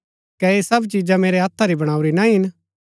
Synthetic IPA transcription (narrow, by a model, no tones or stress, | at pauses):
kɛeːsɐbt͡ʃiːd͡ʒameːɾeɦaːt̪ʰːaɾibɐɽ̃aːuɾinãĩɦɪn